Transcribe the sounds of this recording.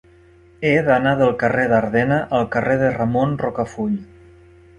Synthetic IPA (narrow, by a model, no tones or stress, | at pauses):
eðanaðəlˠkəreðaɾðɛnəʔəlˠkəreðəramonrokəfuʎ